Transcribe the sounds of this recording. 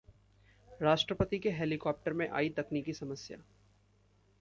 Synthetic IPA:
ɾaːʃʈɾəpət̪ikeɦeːlikɔːp̚ʈəɾmẽʔa̰ːit̪ɐkniːkisɐməsja̰ː

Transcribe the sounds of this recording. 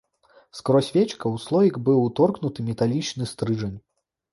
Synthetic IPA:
skɾɔsʲvʲɛt͡ʃkɐwslˠɔjʲiɡbɨwt̪ɔrknut̪ɨmʲɛt̪alʲit͡ʂnɨst̪ɾɨʐɐnʲ

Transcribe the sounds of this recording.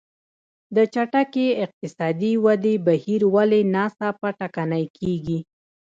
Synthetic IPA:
d̪ət͡ʃaʈakeɪq̚t̪ɪsɑd̪iwad̪ebahiɾwalenɑst̪apaʈakanajkʰeɡi

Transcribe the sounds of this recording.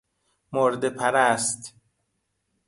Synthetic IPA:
moɾd̪epʰæɾæst̪

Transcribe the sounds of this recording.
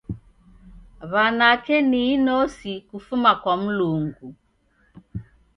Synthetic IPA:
βanakɛniinɔsikufumakwam̩luŋɡu

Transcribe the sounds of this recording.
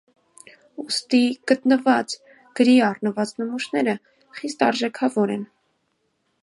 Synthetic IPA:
ust̪iɡ̥ət̪nəvɑt͡s | ɡ̥əɾiɑrnəvɑt͡snəmuʃnɛɾə | χist̪ɑɾʒɛkʰɑvɔɾɛn

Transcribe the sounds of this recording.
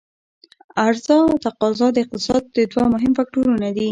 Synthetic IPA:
aɾzɑt̪aqɑzɑd̪əɪq̚t̪ɪsɑd̪̚ːəd̪wamʊɦɪmfak̚ʈuɾunad̪i

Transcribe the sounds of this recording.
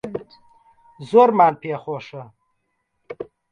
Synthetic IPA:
zoɾmaːnpeχoːʂɐ

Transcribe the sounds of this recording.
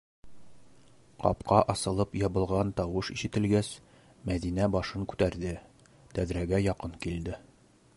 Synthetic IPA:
qɒ̰pqɑʔɒsɤ̆lˠɤpjɒbɤ̆lˠʁɑnt̪ɒwɤʃiʃɘ̆t̪ɘ̆lɡæs | mæðinæbɒʃɤŋkʉ̥t̪æɾd̪ɘ | t̪æðɾæɡæjɒqɤŋkild̪ɘ

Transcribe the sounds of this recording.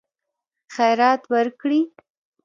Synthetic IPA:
xajɾɑt̪wəɾkɽi

